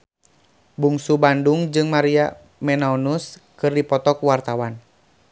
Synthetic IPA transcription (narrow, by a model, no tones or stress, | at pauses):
buŋsubanduŋd͡ʒɨŋmaɾia | mɛnaɔnuskɨrdipɔt̪ɔkuwart̪awan